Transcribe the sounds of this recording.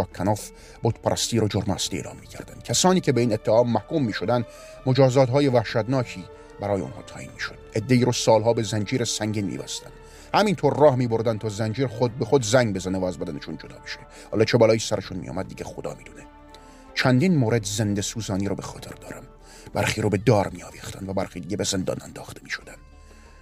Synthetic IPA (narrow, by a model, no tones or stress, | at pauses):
ɒːkʲʰːænɒːf | bot̪pʰæɾʔæst̪iːɾod͡ʒoɾmæsliḛːlɒ̰ːmːiːcʰæɾd̪ænd̪̥kʲʰæsɒːniːcʰe̞beiːnet̪ʰːeɒːmːæhkuːmːiːʃod̪ænd̪ | mod͡ʒɒːzɒːt̪ɦɒːjevæhʃæt̪nɒːcʰiː | bæɾɒːjeo̰nhɒ̰ːt̪ʰɒ̰ːʔiːnmiːʃod̪̥ʔe̞d̪ːe̞iːɾosɒːlɦɒːbe̞zænd͡ʒiːɾesæŋɟinmḭːbæ̰st̪æ̰nd̥̪ | hæmint̪ʰoɾːɒːhmiːboɾd̪ænd̪t̪ʰɒːzænd͡ʒiːɾχod̪̚bexod̪zæŋɡbezænevææzbæd̪æneʃund͡ʒod̪ɒ̰ːbe̥ʃe | hɒːlɒːt͡ʃʰe̞bɒːlɒːjiːsæɾeʃunmḭjɒ̰mæd̪̚ːiːɟexod̪ɒ̰ːmiːd̪une | t͡ʃʰænd̪iːnmoːɾed̪ze̞nd̪e̞suːzɒːniːɾobexɒ̰ːt̪ʰe̞ɾd̪ɒːɾæm | bæɾχiːɾobe̞d̪ɒːɾmiːɒːviːxt̪ʰæ̰nd̪væbæɾxiːd̪iːɟebezend̪ɒ̰ːnænd̪ɒːxt̪ʰemiːʃod̪ænd̥̪